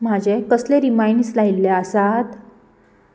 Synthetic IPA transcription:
m̤ad͡ʑekəsleɾimajɳɖslailːeasat̪

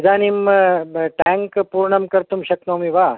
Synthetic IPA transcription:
d̪aːnim | ʈɛŋkpuːɾɳɐmkɐɾt̪umɕɐk̚nomiʋa

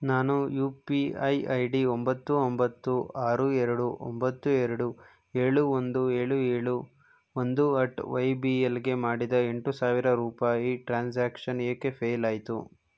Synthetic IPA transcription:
naːnujuːpiɐjɐjɖiombɐt̪ːuombɐt̪ːuaːɾuɛɾɐɽuʔo̰mbɐt̪ːueɾɐɽu | eːɭuond̪ueːɭueːɭu | ond̪uɐʈʋɐjbiːelɡe̞maːɽid̪ɐe̞ɳʈusaːʋiɾɐɾuːpaːjiʈɾaːnsaːkʂɐnijɐkːe̞pʰeːjlaːjit̪ṵ

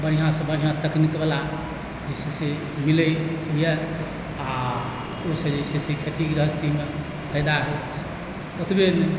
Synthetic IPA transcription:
bəɽ̤ijãsẽbəɽ̤ijãt̪əknikbela | d͡ʒesese | miləjɦujɛ | a | osəd͡ʒesesekʰet̪ikɾəɦəst̪ʰime | kəjd̪aɦɛ | ot̪ben

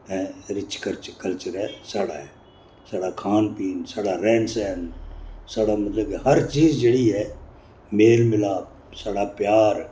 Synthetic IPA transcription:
ɛ̃ːɾɪt͡ʃkəɾt͡ʃkəlt͡ʃəɾɦɛsaɽa̰ːɦɛ | sɐɽakʰaːnpiːnsəɽaɾɛ̃ːnsɛːnsəɽaːmɐt̪ləb̚kihɐɾt͡ʃiːzd͡ʒeɽiɦɛ | meːlmɪlaː | sɐɽapjaːɾ

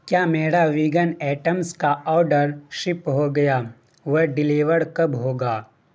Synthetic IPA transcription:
kjaːmeːɽaʋɪɡənɛːʈəmskaɔːɾɖəɾʃɪpɦoɡɐjaː | ʋɐɦɖɪliːʋəɽkɐbɦoːɡaː

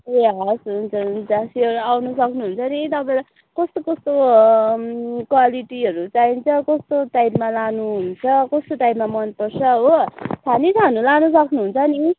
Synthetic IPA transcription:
aɦsunt͡sʰʌund͡zasiʌɾuawnʌsʌknuɦunt͡sʰʌnit̪ʌpãẽla | kʌst̪okʌst̪o | kwaliʈiɦʌɾut͡saint͡sʰʌkʌst̪oʈajpmalanuɦunt͡sʰʌkʌst̪oʈajpmamʌnpʌrt͡sʰʌɦot͡sʰanit͡sʰanulanʌsʌknuɦunt͡sʰʌni

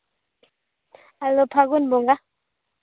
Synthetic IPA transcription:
alopʰaɡunboŋɡa

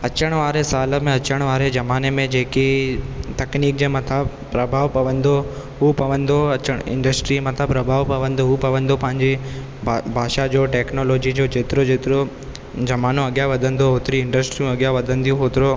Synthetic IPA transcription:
ɐt͡ɕəɽ̃ʋaːɾesaːlə̆mẽɐt͡ɕəɽ̃ʋaːɾed͡ʑɐmaːnemẽd͡ʑeːkit̪ɐkniːk̚d͡ʑeːmɐt̪ʰə | pːɾɐbʱaːʋpɐʋə̃nd̪o | ɦupɐʋə̃nd̪oɐt͡ɕəɽ̃ɪ̰̃ɳɖəsʈɾimɐt̪ʰəpɾɐbʱaːʋpɐʋə̃nd̪oɦupɐʋə̃nd̪opɐ̃ɦɪ̃ɲd͡ʑe | bʱaːʃad͡ʑoːʈeːknoːloːd͡ʑid͡ʑod͡ʑeːt̪ɪɾod͡ʑeːt̪ɪɾo | d͡ʑɐmaːnũɐɠjaʋɐd̪ʱə̃nd̪oɦoːt̪ɪɾiɪ̃ɳɖəsʈɾijũɐɠjaʋɐd̪ʱə̃nd̪ijũɦoːt̪ɪɾo

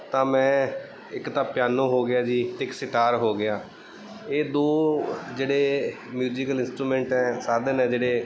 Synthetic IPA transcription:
t̪ãːmɛ̃ː | ɪkt̪ãːpjaːnõːɦoːɡɪjaːd͡ʒiːt̪ɪksɪʈ̪aːɾɦoːɡɪaː | eːd̪oːd͡ʒeːɽeː | mjuːd͡ʒikəlɪ̃nsʈɾuːmɛ̃ːɳʈɛ̃ːsaːd̪nɛ̃ːd͡ʒeːɽeː

